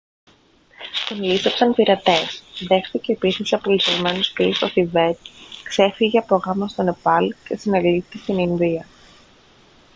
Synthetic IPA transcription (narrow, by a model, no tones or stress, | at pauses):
t̪onlisepsɐnpiɾɐt̪e̞sðe̞xθice̞ːpisisɐpolisevme̞nuspist̪oθive̞t̪kse̞fiʝeɐpo̞ɣɐmɐst̪o̞ne̞pɐlce̞sineɾliθt̪est̪ininðiɐ